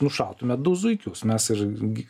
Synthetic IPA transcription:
nʊʃɐlˠt̪ʊmʲɛd̪ʊzʊɪkʲʊsmʲɛsɪrɡʲ

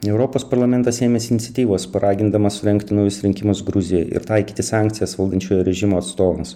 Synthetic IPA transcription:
ɛʊɾopoːspɐɾlˠɐmʲɛnt̪ɐseːmʲeːsɪnʲɪt̪sʲɛt̪ʲiːʋoːspɐɾʔɑːɡʲɪnd̪ɐmɐssʊɾʲɛŋkt̪ʲɪnʊjʊsɾʲɪŋʲkʲɪmʊsɡɾʊzʲɪjɛʔɪ̰ɾt̪ɐɪkʲiːt̪ʲɪsɑːŋʲkt̪sʲɪjɛsʋɐlˠd̪ɐnʲt͡ʃʲoːjoɾʲɛʒʲɪmoːɐt̪st̪oːʋɐms

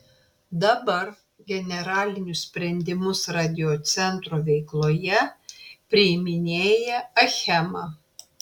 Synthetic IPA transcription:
d̪ɐbɐɾ | ɡʲɛnʲɛɾɑːlʲɪnʲʊssʲpʲɾʲɛnʲd̪ʲɪmʊsɾɑːd̪ʲɪjoːt̪sʲɛnt̪ɾoʋʲɛɪklˠoːjɛpʲɾʲɪɪmʲɪnʲeːjɛɐxʲɛmɑ

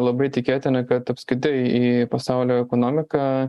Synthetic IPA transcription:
lˠɐbɐɪt̪ʲɪkʲeːt̪ʲɪnɐkɐt̪ɐpskʲɾʲɪt̪ɪipɐsɑʊlʲoːɛkoːnoːmʲɪkɐː

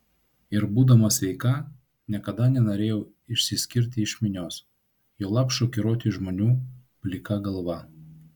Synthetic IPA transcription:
ɪɾbuːd̪ɐmɐsʲʋʲɛɪkɐ | nʲɛkɐd̪ɐnʲɛnoːɾʲeːjɛʊ | ɪʃʲsʲɪsʲkʲɪɾʲt̪ʲɪɪʃʲmʲɪnʲoːs | joːlˠɑːpʃoːkʲɪɾoːt̪ʲiʒmoːnʲuːpʲlʲɪkɐɡɐlˠʋɐ

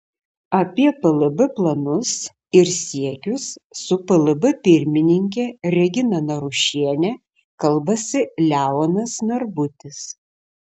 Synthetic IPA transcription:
ɐpʲiɛpɐlˠɐbɐplˠɐnʊs | ɪɾsʲiɛkʲʊsːʊpɐlˠɐbɨpʲɪɾʲmʲɪnʲɪŋʲkʲeɾʲɛɡʲɪnɐnɐɾʊʃʲiɛnʲɛ | kɐlˠbɐsʲɪlʲæːɔnɐsnɐɾbʊt̪ʲɪs

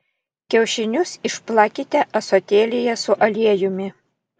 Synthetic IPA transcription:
kʲɛʊʃʲɪnʲʊsɪʃplˠɑkʲɪt̪ʲɛʔɐsɔt̪ʲeːlʲɪjɛsʊʔɐlʲiɛjʊmʲɪ

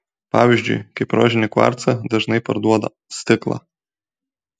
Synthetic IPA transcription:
pɑ̰ːʋʲiʒʲd͡ʒʲʊ̰ɪkɐɪpɾo̰ːʒʲɪnʲɪkʋɑ̰ɾt̪sɐd̪ɐʒnɐɪpɐɾd̪uɔd̪ɐ̰ | sʲt̪ʲɪklˠɑ̰ː

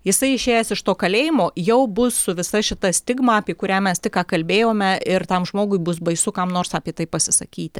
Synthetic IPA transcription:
jɪsɐɪɪʃʲeːjɛsɪʃt̪oːkɐlʲeːjɪmoːjɛʊbʊssʊʋʲɪsɐʃʲɪt̪ɐsʲt̪ʲɪɡmɐɐpʲiɛkʊɾʲæːmʲɛst̪ʲɪkkɑːkɐlʲbʲeːjoːmʲɛɪrt̪ɐmʒmoːɡʊɪbʊsbɐɪsʊkɐmnoːrsɑːpʲiɛt̪ɐɪppɐsʲɪsɐ̰kʲiːt̪ʲɪ

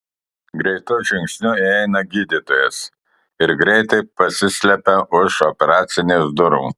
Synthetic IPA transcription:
ɡɾʲɛɪt̪ʊʒʲɪŋʲksʲnʲʊiɛɪnɐɡʲiːd̪ʲɪt̪oːjɛs | ɪɾɡɾʲɛɪt̪ɐɪpɐsʲɪsʲlʲɛpʲɛʔʊʃɔpʲɛɾɑːt̪sʲɪnʲeːsd̪ʊɾṵː

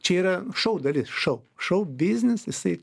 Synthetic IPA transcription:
t͡ʃʲɛiːɾɐʃɐʊd̪ɐlʲɪsʃɐʊʃɐʊbʲɪzʲnʲɪsjɪsɐɪ

